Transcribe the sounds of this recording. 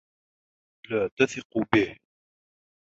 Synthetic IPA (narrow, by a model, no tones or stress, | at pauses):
laːt̪aθɪqubɪh